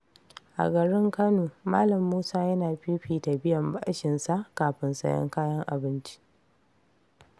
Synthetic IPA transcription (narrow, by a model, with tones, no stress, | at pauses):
ʔa̰˨ɡɐ˨ɽɪ˦ŋkɐ˦noː˨maː˦lɐ˨mːuː˦saː˦jɐ˦naː˨ɸiː˦ɸiː˨ta˨bɪ˦jɐ˨mba̰˦ʃɪ˨nsa˦ʔkaː˨ɸɪ˦nsɐ̰˦jɔ̰˦ŋkaː˦jɐ˦ŋʔa˨bɪ˦nt͡ʃi̥˦